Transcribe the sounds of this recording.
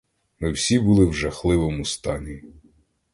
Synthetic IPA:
mɪwsʲibulˠɪwʒɐxlˠɪʋɔmust̪ɑnʲi

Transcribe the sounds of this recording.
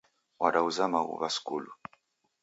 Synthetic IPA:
waɗauzamaɣṵβaskulu

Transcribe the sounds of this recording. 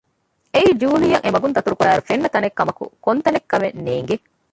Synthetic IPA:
eiːd͡ʒuːlijɐŋʔemɐɡunt̪ɐt̪uɾukuɾæːɾufenːɐt̪ɐnekːɐmɐkṵkont̪ɐnekːɐmenːeːŋ̆ɡe

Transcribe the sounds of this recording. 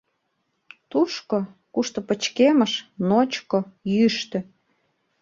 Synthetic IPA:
t̪uʃko | kuʃt̪opə̆t͡ɕkeməʃnot͡ɕkojyʃt̪ø̆

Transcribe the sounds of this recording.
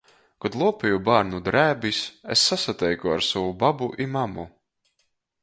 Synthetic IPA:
kɔd̪lˠuɔpʲɛjubaːɾnud̪ɾæːbisesːasat̪ɛjkua̰ɾsɔwubabuʔimamu

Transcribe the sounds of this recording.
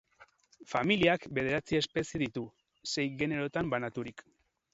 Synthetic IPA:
familiakbe̞ð̞e̞ɾat͡sie̞spe̞seðit̪u | se̞jɣe̞ne̞ɾo̞t̪ambanat̪uɾik

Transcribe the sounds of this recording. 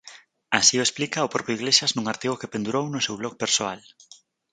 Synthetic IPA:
asiʊesplikaʊpɾɔpɾjoiɣleʃaznuŋaɾt̪iɣokepend̪uɾownʊsewβlok̚peɾsoal

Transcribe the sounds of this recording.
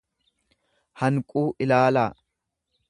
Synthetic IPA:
hɐŋkʼuːʔɪlaːlaː

